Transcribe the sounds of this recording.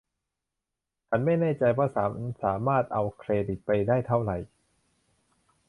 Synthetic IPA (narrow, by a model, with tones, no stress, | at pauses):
t͡ɕʰa˦˥˩nma˥˩jnaː˥˩t͡ɕa˧jwaː˥˩saː˩˦saː˩˦maː˥˩t̪̚ʔa˧wkʰɾeː˧di˨˩t̪̚pa˧jdaː˥˩jt̪ʰa˥˩wɾa˨˩j